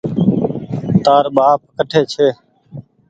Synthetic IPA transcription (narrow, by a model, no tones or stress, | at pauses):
t̪aːɾɓaːp̚kəʈʰeːt͡ʃʰeː